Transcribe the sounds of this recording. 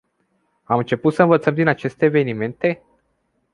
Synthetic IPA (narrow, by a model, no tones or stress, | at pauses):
amɨnt͡ʃe̞put̪səɨnvət̪səmd̪inat͡ʃe̞st̪e̞ːve̞nime̞nt̪e̞